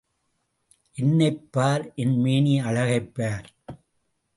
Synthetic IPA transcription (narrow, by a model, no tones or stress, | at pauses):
ʔɛnːɐɪpːaːɾʔɛnmeːniɐɻɐɣɐɪpːaːɾ